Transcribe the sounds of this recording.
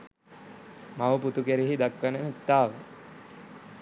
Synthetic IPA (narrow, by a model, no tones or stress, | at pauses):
maʋəput̪ukeɾiɦid̪akʋənənet̪ːaːʋə